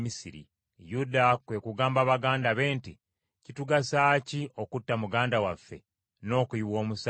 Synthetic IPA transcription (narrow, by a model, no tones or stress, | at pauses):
misiɾḭ | judakwe̞kuɡaːmbaβaɡaːndaβe̞ːnti | cituɡasaːcio̞kutːamuɡaːndawafːe̞̰ | no̞ːkuiwo̞ːmus